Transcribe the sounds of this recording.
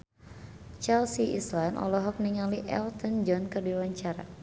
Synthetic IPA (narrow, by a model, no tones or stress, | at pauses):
t͡ʃalsiʔḭslanʔɔ̰lɔɦɔk̚niŋaliʔɛ̰lt̪ənd͡ʒɔnkərduwaɲt͡ʃaɾa̰